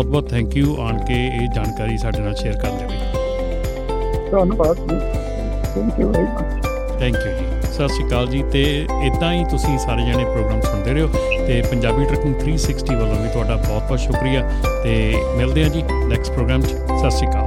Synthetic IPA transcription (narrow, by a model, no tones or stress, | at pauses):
ɔːt̪̚bɔːt̪ʰɛ̃ːŋkjuːʔaːɳkeeːd͡ʒaːnkaːɾiːsaːɖeːnaːlʃeːəɾkəɾd̪eːo | soanũbaːt̪iː | t̪ʰɛ̃ːŋkjuːʋɛɾimət͡ʃ | t̪ʰɛ̃ːŋkjuːd͡ʒiːsəsʃiːkaːld͡ʒiːt̪eː | ɪd̪ãːiːt̪ʊsĩːsaːɾeːd͡ʒaːɽ̃eːpɾoːɡɾaːmsʊnd̪eːɾeːoːt̪eːpəɲd͡ʒaːbiːʈɾɛkənt̪ʰɾiːsɪksʈiːʋələ̃ːʋiːt̪ʊaːɖaːbɔːt̪̚bɔːt̪ʃʊkɾijaɛː | t̪eːmɪld̪eːãːd͡ʒiː | nɛːkspɾoːɡɾaːmt͡ʃː | səsʃikaːl